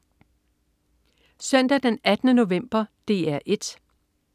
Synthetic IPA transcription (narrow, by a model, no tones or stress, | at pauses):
sœn̰d̥æd̥enæd̥ənəno̝ʋem̰b̥ɐd̥e̝ːæɐ̰ʔe̝d̥